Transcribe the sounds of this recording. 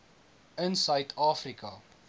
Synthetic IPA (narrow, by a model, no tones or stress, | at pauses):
ənsœɥtʰɑːfrikɐ